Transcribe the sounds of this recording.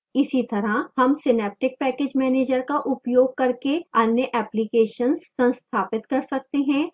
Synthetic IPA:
ɪsit̪ɐɾahɐmsɪnɛːp̚ʈɪk̚pɛːkeːd͡ʒmɛːneːd͡ʒəɾkaʔʊpjoːɡ̚kɐɾkeaːnjəʔɛːplikeːʃənssɐ̃nst̪ʰaːpɪt̪kɐɾsɐk̚t̪eɦɛ̃ː

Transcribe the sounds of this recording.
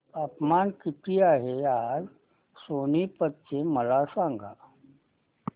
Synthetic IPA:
əpmankiʈ̪ʰiːaɦead͡z | sonipət̪̚t͡ɕeməlasãŋɡʱa̰

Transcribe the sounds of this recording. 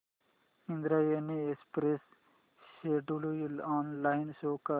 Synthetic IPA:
ĩnd̪ɾajeniespɾes | ʃeɖulujilɔːnlaɪnsoːka

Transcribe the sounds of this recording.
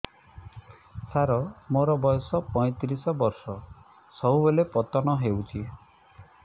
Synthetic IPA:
saɾɔmoɾɔbɔjɔsɔpɔj̃t̪ɾisɔbɔɾsɔ | sɔɦubelepɔt̪ɔnɔɦewt͡ʃʰi

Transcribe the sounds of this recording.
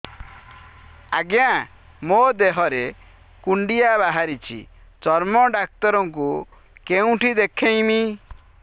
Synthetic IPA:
aɡjã | mod̪eɦɔɾe | kuɳɖijabaɦaɾit͡ʃʰḭt͡ʃɔɾmɔɖak̚t̪ɔɾɔŋk̬u | keũʈʰid̪ekʰẽj̃mi

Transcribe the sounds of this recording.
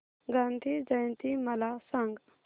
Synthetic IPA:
ɡand̪ʱid͡zɐjnt̪imɐlasɐ̃ŋɡ

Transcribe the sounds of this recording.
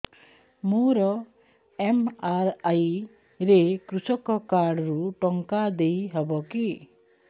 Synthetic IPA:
moɾɔ | emaɾaj | ɾekɾusɔkɔkaɾɽɾuʈɔŋkad̪ejɦɔbɔki

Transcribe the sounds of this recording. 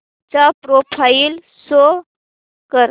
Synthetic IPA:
t͡ɕapɾopʰail | so | kəɾ

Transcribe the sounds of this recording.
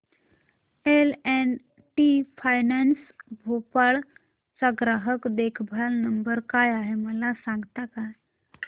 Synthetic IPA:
elɛn | ʈifajnansbʱopaɭ | səɡɾaɦəkd̪ekʰbʱalnəmbəɾkajaɦeməlasãŋɡt̪akaj

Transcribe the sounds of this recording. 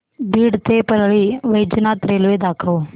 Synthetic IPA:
biːɽt̪eːpəɾɭiːʋəjd͡ʒnaːt̪ɾeːlʋed̪aːkʰəo

